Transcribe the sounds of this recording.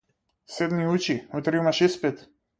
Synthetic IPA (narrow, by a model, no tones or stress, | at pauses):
sɛd̪miut͡ʃiɔt̪ɾimaʃispɛt̪